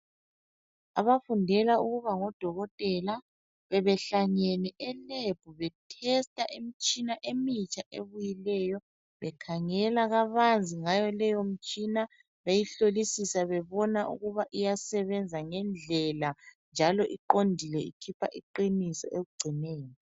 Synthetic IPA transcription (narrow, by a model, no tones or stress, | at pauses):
a̰βafundʱɛlauɣuβaŋɔd̥ʱɔɣɔtʼɛla | βɛβɛɬaɲɛnɛʔɛleb̥ʱuβɛtʰɛstʼaʔemit͡ʃʼinaʔemit͡ʃʼaʔḛβujilɛjɔ | βɛkʰaŋɛlaɣaβand͡zʱiŋajɔlɛjom̩t͡ʃʼina | βejiɬolisisaβɛβɔnaʔṵɣuβaʔijasɛβɛnd͡zʱaŋɛnd͡ɮʱɛland͡ʒʱalɔʔiǃondʱilɛḭkʰipʰaʔiǃinisɔ̰ʔeɣuɡ͡ǀʱinɛːjɔ